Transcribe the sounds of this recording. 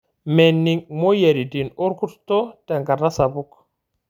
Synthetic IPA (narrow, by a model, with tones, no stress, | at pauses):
me˨nːi˦ŋmo˦je˨ɾi˨di˨no˦ɾku˦tto˦te˨ŋɡa˨ɾa˦sa˨bu˦k